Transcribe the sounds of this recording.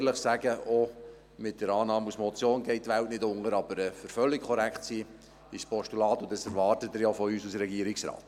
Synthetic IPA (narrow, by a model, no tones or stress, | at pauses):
ləχsæɡəʔo | mɪt̚d̥əɾɑːnɑːmusmɔt͡sjoːnɡɛɪt̚tːʋæltnɪtʊŋəɾɑbəɾəføɾfœlːɪkkʰːɔɾækχtsiː | ɪʃspɔʃtulɑːtʊnd̥ɑsɛɾʋɑːrtətəɾjafɔyːsusəɾɛɡiəɾɪksɾɑ̰ːt